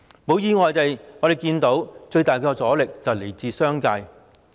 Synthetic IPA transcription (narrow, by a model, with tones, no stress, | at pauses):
mo˨˥wjiː˧ŋɔː˨jt̪e˨jŋɔ˨˧˥e˨˩jkiː˧nt̪o˨˥wt͡ʃɵ˧ɥt̪aː˨˩jkɔː˧t͡sɔː˨˥lɪ˨k̚t͡sɐ˨˩wle˨˩jt͡siː˨˧sœː˥ŋkaː˧j